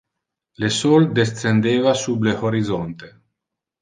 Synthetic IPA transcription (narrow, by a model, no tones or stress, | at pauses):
lesold̪est̪send̪eːvasublehoɾid̪zont̪e